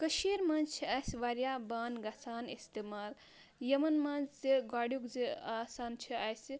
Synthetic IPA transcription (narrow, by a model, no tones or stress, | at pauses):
kəʃiɾmɐnt͡ʃʰiɐsʋaɾjabaːnɡasaːnist̪emaːl | jɐmɐnmanzzeɡaːɽjukzeaːsaːnt͡ʃʰiasi